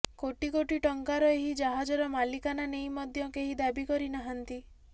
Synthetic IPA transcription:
koʈikoʈiʈɔŋkaɾɔeɦid͡ʒaɦad͡ʒɔɾɔmalikananejmɔd̪ʱjɔkeɦid̪abikɔɾinaɦant̪i

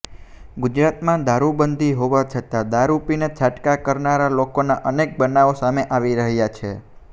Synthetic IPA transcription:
ɡud͡ʒɾat̪mãd̪aɾubənd̪ʱiɦoʋat͡ʃʰət̪ad̪aɾupinet͡ʃʰaʈkakəɾnaɾalokonaʔənek̚bənaʋosameʔaʋiɾəɦjat͡ʃʰe

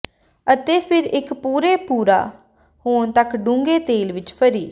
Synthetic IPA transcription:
ət̪eːpʰɪɾɪkpuːɾeːpuːɾa̰ː | hoːɳt̪əkɖũŋɡeːt̪eːlʋɪt͡ʃpʰəɾiː

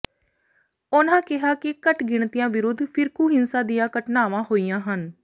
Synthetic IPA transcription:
ʊnãːkɪɦaːkɪkəʈɡɪɳt̪ijãːʋɪɾʊd̪ʱːpʰɪɾkuːɦɪnsãːd̪ijãːkəʈnaːʋãːɦoːiːãːɦən

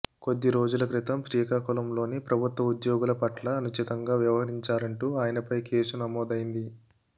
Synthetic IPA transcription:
ko̞d̪ːiɾo̞ːd͡ʒulɐkɾit̪ɐmpɾiːɐkaːkulɐmlo̞ːnipɾɐbʱut̪ʋɐud̪joːɡulɐpɐʈlɐːnut͡ʃit̪ɐŋɡaːʋjɐʋɐɦɐɾiɲt͡ʃaːɾɐɳʈuːaːjɐnɐpɐjkʰe̞ːsunɐmɔːd̪ɐjind̪i

